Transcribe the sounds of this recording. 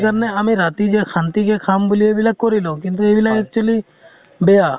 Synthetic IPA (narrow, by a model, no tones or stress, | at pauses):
kəɾneəmẽɾaːt̪id͡ʒekʰãːnt̪ikekʰaːmbʊliebɪlakoɾilõːkʊ̃nt̪uebɪlaek̚t͡ʃəli | bejaː